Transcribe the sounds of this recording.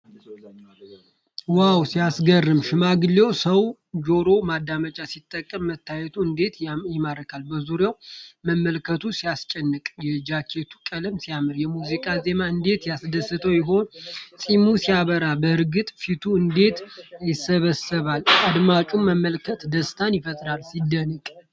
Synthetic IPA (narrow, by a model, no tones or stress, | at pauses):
wawsijasɡərːɨmʃɪmaɡɨle̞wsəw | d͡ʒo̞ɾo̞mad̪ːamət͡ʃʼasit̪ʼːəkʼːəmːət̪ʰːajɛt̪ʰuɨnd̪e̞t̪jɪmadəkʰalbəzuɾjawməmːəlkʰət̪ʰusijast͡ʃʼɛnːɨkʼjɛd͡ʒakʰe̞t̪ʰu̥kʼələmsijamɨɾjɛmuzikʼaze̞maɨnd̪e̞t̪jasd̪əsːɨt̪ʰəwjɪɦo̞nsʼimusijaβəɾabəɨɾɡɨt̪ʼfit̪ʰuɨnd̪e̞t̪jɪsəβəsɨβalad̪mat͡ʃʼummːəmːəlkʰət̪d̪əst̪ʰanjɪfət̪ʼɾalsid̪ːənɨkʼ